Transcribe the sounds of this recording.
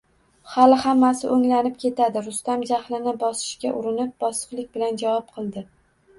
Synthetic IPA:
halɪhamːasɪʔoŋlanɪp̚kʲʰe̞t̪ʰad̪ɪɾʊst̪amd͡ʒaχlɪnɪbɒsɪ̥ʃkʲaʔʊɾɪnɪp̚bɒsɨ̥qlˠɪk̚ʲbɪland͡ʒavɒp̚qʰɨlˠd̪ɪ

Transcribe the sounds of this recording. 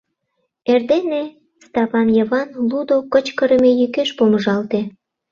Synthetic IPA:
erd̪ene | st̪ɑβɑnjəβɑnlud̪okət͡ɕkəɾəmejykeʃpoməʒɑlt̪e

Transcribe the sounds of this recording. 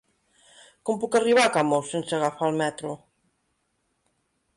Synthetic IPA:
kompukariβakamosenseaɣafalmɛt̪ɾo

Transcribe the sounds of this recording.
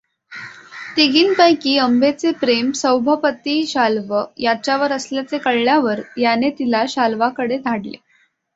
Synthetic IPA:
t̪iɡiːnpəjkiːəmbet͡sepɾemsəwbʱəpət̪iːɕalʋəjat͡ɕaʋəɾəsljat͡sekəɭɭjaʋəɾjanet̪ilaɕalʋakəɽed̪ʱaɽlḛ

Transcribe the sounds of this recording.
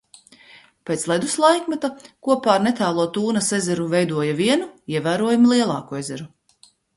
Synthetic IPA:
pʲet̪slˠɛd̪uslˠajkmat̪akuɔpaːɾnet̪æːlˠuɔt̪uːnɐsezɛɾuvɛjd̪uɔjɐviɛnuiɛvæːɾuɔjumlˠiɛlˠɑːkuezɛɾu

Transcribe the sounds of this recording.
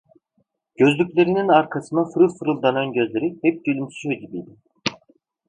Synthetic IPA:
ɟ̥ø̞zlʲycʲlʲe̞ɾininaɾkʰasɯnafɯɾɯlˠfɯɾɯlˠd̪ananɟø̞zlʲe̞ɾihɛp̚ɟ̪ylʲymsy̥ʃʰød̪ʲibijd̪i

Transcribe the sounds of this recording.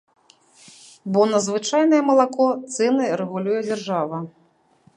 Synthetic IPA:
bɔnɐzvɨt͡ʂajnɐjɛmɐlˠakɔt̪sɛnɨɾɛɣulʲujɛd͡zʲarʐavɐ

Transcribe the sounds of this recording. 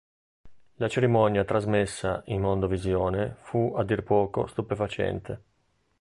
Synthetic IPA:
lat͡ʃeɾimɔnjat̪ɾazmesːaʔinmond̪ovizjoːnefuad̪ːirpɔːko̰st̪upefat͡ʃɛ̰nt̪e

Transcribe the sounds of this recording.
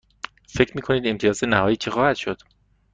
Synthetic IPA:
fe̞cʰɾmiːkʰo̞niːd̪e̞mt̪ʰijɒːzenæhɒːjiːt͡ʃʰexɒːhæd̪̥ʃod̪̥

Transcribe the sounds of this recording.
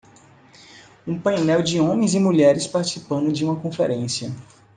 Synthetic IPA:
ũpɐ̃jnɛwd͡ʒɪõmẽj̃zɪmuʎɛɾɪspaɾt͡ʃi̥sipɐ̃nd̪ʊd͡ʒɪũmɐkõfḛɾẽsiɐ

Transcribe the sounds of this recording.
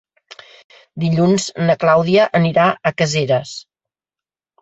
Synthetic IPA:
d̪iʎunznəklawðiəʔəniɾaʔəkəzeɾəs

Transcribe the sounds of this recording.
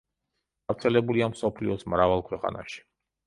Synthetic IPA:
ɡ̥avɾt̪sʰɛlɛbuliamsɔpʰlḭɔsmɾavalˠkʰwɛqʼa̰na̰ʃi̥

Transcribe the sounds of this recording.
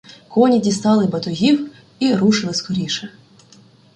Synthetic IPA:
kɔnʲidʲist̪ɑlˠɪbɐt̪ʊɦʲiw | iɾuʃɪlˠɪskɔɾʲiʃɛ

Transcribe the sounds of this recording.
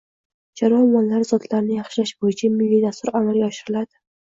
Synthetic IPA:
d͡ʒaɾɒmɒnlaɾzɒd̪laɾnɪjɑχʃɪlaʃbojɪt͡ʃʰamɪlːijd̪ast̪ʊɾamalˠɡʲaɒʃɪɾɪlad̪ɪ

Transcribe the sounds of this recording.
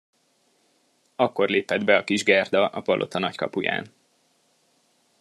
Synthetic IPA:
ɒkːo̞rleːpɛd̪bɛɒkiʒɡɛrd̪ɒʔɒpɒlʔo̞̰t̪ɒnɒckɒ̰puja̰ːn

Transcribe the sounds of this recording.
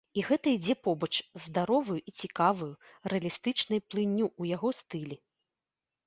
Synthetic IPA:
iɣɛt̪ɐid͡zʲɛpɔbɐt͡ʂzd̪aɾɔvujuʔit͡sʲikavuju | rɛɐlʲist̪ɨt͡ʂnɐjplˠɨnʲːuujaɣɔst̪ɨlʲi

